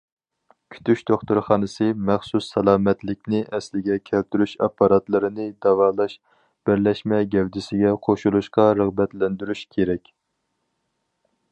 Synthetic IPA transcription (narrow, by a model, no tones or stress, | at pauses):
kʲʰy̥t̪ʰyʃt̪oχt̪uɾχɑːnɨsɨmɛχsusːɑlˠɑːmɛt̪lɪk̚ʲnɪʔɛslɪɡʲɛkʲʰɛlt̪yɾyʃɑpːɑɾɑt̪lˠɨɾɨnɨd̪ɑwɑːlˠɑʃ | b̥ɪɾlɛʃmɛɡʲɛwd̪ɪsɪɡʲɛqʰoʃulˠuʃqɑɾəʁbɛt̪lɛnd̪yɾyʃkʲʰeɾɛkʲ